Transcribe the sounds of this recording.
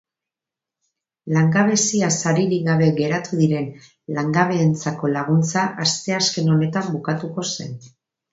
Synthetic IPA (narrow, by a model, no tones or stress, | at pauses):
laŋɡaβ̞e̞siasaɾiɾiɣaβ̞e̞ɡe̞ɾat̪uðiɾe̞n | laŋɡaβ̞e̞ːnt͡sako̞laɣ̞unt͡saʔast̪e̞aske̞no̞ne̞t̪ambukat̪uko̞se̞̰n